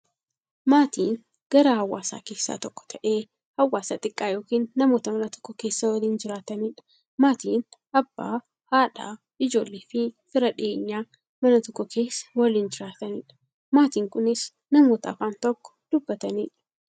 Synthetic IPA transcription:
maːt̪ʰiːn | ɡ̥ɐɾɐhɐwːa̰ːsa̰ːke̞ːsːa̰ːt̪ɔkːɔ̥t̪ʰɐʔe̞ː | hɐwːaːsaːt̪ʼɪkʼːaːjo̞ːkiːnːɐmo̞ːt̪ɐmɐnɐt̪ɔ̥kːɔke̞ːsːɐwɐliːnd͡ʒɪɾaːt̪ɐniːᶑɐ̥ | maːt̪iːn | ɐb̥ːa̰ː | haːᶑa̰ː | ɪd͡ʒo̞ːlːeːfɪfɪɾɐᶑɪeːɲːaː | mɐnɐt̪ɔkʼːɔkʰe̞ːsːɐ̥wɐliːnd͡ʒɪɾaːt̪ɐniːᶑɐ̥ | maːt̪iːŋkʊnɪs | nɐmo̞ːt̪ɐɐ̰faːnt̪ɔkːɔ̥d̪̥ʊbːɐt̪ɐniːᶑɐ̥

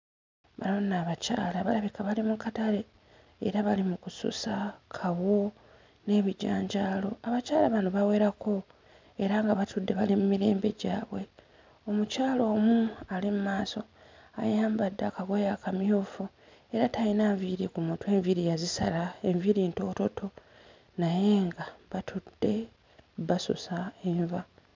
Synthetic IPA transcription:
βanonaːβaca̰ːlaβalaβikaβalimukataɾe̞̰ː | ɾaβalimukusṵsakʰawo̞ | ne̞βiɟa̰ːɲɟaːlo̞aβacaːlaβanuβawe̞ːɾako̞ | e̞ɾaŋɡaβatudːe̞βalimumiɾe̞ːmbe̞ɟa̰ːβwe̞ | o̞mucaːlo̞ːmualimumaːso̞a̰jaːmbadːakaɡojakamjuːfu | e̞ɾatajinaːɱviɾikumuːntwe̞ːɱviɾijazisa̰lae̞ɱviɾinto̞ːto̞tʰo̞ | naje̞ŋɡaβatʰud̥ːe̞ | βaso̰saeɱva

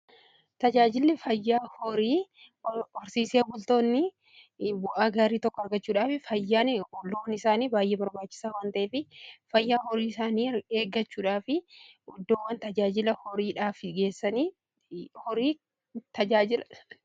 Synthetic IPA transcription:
t̪ɐd͡ʒaːd͡ʒɪlːɪfɐjːaːhɔɾiː | ɔɾsiːsebʊlt̪o̞ːnːɪ | bʊʔaːɡaːɾiːt̪ɔkːɔɐɾɡɐt͡ʃːuːᶑaːfɪfɐjːaːnloːnɪsaːniːbaːjʔeːbɐɾbaːt͡ʃːɪ̥saːwaːnt̪ɐʔeːfɪfɐjːaːhɔɾiːɪsaːniːeːɡːɐt͡ʃːuːᶑaːfɪ | ɔd̪ːɔwːɐnt̪ɐd͡ʒaːd͡ʒɪlɐhɔɾiːᶑaːfɡe̞ːsːɐniː | hɔɾiː | t̪ɐd͡ʒaːd͡ʒɪl

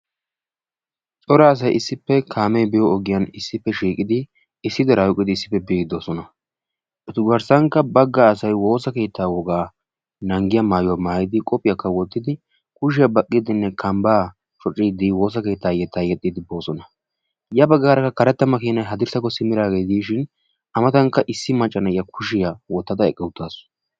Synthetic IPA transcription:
t͡sʼɔɾaːs̬ɐjʔɪsːɪpːɛkʰaːmɛjbɛjɔɔɡɪjɐnɪsːɪpːɛʃiːkʼɪd̪ɪ | ɪsːɪd̪ɐɾajʊkʼːɪd̪ɪɪsːɪ̥pːɛbiːɡd̪oːsɔnɐ | ʔɔt̪ʊɡɐɾsɐŋkːɐbɐɡːaːsɐjwo̞ːsɐke̞ːt̪ʰːaːwɔɡaː | nɐŋɡɪjɐmaːjʊwaːmaːjɪd̪ɪkʼɔpʼɪjɐkːɐwɔt̪ːɪd̪ɪ | kʊʃ̬ɪjɐbɐkʼːɪd̪ɪnːɛkʰɐmbaː | t͡ʃʼɔt͡ʃʼːɪd̪ɪwo̞ːs̬ɐke̞ːt̪ːaːjɛt̪ʰːaːjɛt̪ʼːɪd̪ɪbo̞ːsɔnɐ | jɐbɐɡːaːɾɐkːɐkɐɾɛt̪ːɐmɐkiːnɐjɦɐd̪ɪɾsɐkːɔsɪmɪɾaːɡeːt̪iʃɪn | ɐmɐt̪ɐŋkːɐʔɪsːɪmɐt͡ʃʼːɐnɐjɐkʰʊʃɪjawɔt̪ːɐd̪ɐɛkʼːɛwʊt̪ːaːs

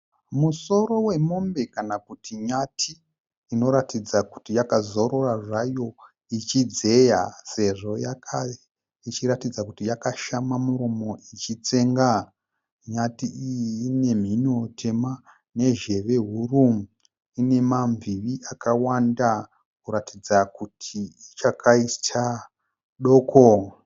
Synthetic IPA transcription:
muso̞ɾo̞we̞mo̞mbe̞kanakutʰiɲatʰiː | no̞ɾatid͡zaku̥tijakazo̞ɾo̞raʐajo̞ | it͡ʃid͡ze̞jase̞ʐo̞jakʰae | it͡ʃiɾatid͡zakutijakaʃamamuɾo̞mo̞it͡ʃit͡se̞ŋɡa | ɲatiijːne̞m̤ino̞tʰe̞ma | ne̞ʒe̞ʋe̞ɦurumu | ine̞mamviʋiʔakawanda | kuɾatʰid͡zakutʰiit͡ʃakaitʰa | ɗo̞ːkʰo

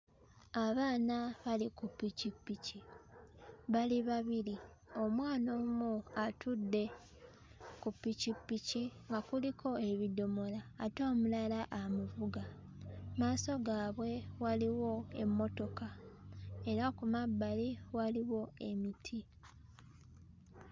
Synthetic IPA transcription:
aβaːnaβalikupːicipːici | βaliβaβili | o̞mwaːnoːmuatʰudːe̞ | kupːicipːiciŋɡakulikʰo̞e̞βido̞mo̞laːto̞ːmulalaʔamuvuɡa | maːso̞ɡaːβwe̞waliwo̞e̞̰mːo̞to̞ka | e̞ɾakumabːaliwaliwo̞e̞mitʰi

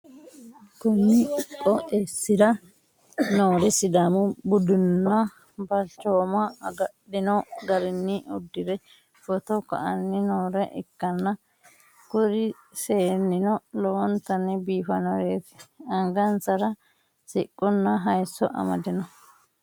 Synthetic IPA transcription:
kʊmːɪkʼːɔʔesːɪɾɐ | noːɾɛsɪd̪amʊbʊd̪ʊnːɐ | bɐlt͡ʃːoːmɐɐɡɐɗːɪnɔɡɐɾɪnːɪɔd̪ːɪɾɛ | fɔt̪ɔkɐ̰ʔɐnːɪnoːɾɛʔɪ̰kːɐnːɐ | kʊɾɪ | seːnːɪnɔlɔwɔnt̪ɐnːɪbiːfɐnɔɾeːt̪ɪ̥ɐŋɡɐnsɐɾɐ | sɪkʼːɔnːɐɦɐjsːɔ̰ʔɐ̰mɐ̰d̪ɪnɔ

